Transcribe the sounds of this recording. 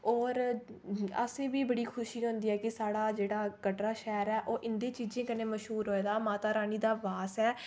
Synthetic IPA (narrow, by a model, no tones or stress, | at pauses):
ɔːɾ | ə̰sẽːbiːbəɽiːkʰʊʃiːɦʊ̃nd̪iːɦɛːkɪsaːɽaːd͡ʒeːɽaːkəʈɾaːʃɛːɾɛːʔoːʔɪnd̪eːt͡ʃiːd͡ʒẽːkəneːməʃɦuːɾɦoːeːd̪aːmaːt̪aːɾaːniːd̪aːbaːsɛː